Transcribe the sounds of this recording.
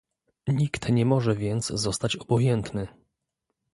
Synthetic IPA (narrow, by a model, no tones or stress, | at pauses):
ɲikt̪ɲɛmɔʐɛvʲjɛnt̪szɔst̪at͡ɕɔbɔjɛnt̪nɘ